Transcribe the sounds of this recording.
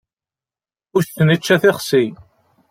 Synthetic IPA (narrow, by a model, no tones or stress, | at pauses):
ʊsənit͡ʃːæθɪχsi